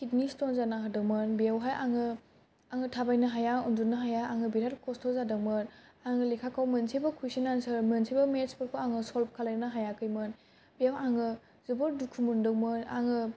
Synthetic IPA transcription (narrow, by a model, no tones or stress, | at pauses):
kʰitnistonzanaɦɯdɯŋmɯnbiawɦajʔaŋɯ | aŋɯtʰabajnɯɦajaundunɯɦajaaŋɯbiɾatkʰɔstʰɔzadɯŋmɯnaŋɯlekʰakʰawmɯnsʰebɐkʰujsinansɯɾmɯnsʰebɐmespɯɾkʰoaŋɯsɔlp̚kʰalanɯɦajakʰɯjmɯn | biawaŋɯ | zɯbɯɾdukʰumundɯmɯna̰ŋɯ